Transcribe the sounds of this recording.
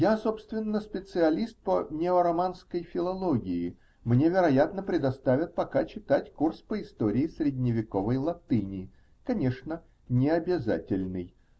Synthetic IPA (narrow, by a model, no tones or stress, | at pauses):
jaso̞pst̪vʲɪnːəspʲɪt̪sɨɐlʲist̪̚pənʲɪoɾɐmanskəjfʲɪlˠɐlˠoɡʲɪɪ | mnʲe̞vʲɪɾɐjat̪nəpɾʲɪd̪ɐst̪avʲɪt̪̚pɐkat͡ɕɪt̪atʲkurspəɪst̪o̞ɾʲɪːsɾʲɪdʲnʲɪvʲɪko̞vəjlˠɐt̪ɨnʲɪ | kɐnʲe̞ʂnə | nʲɪɐbʲɪza̰tʲɪlʲnɨj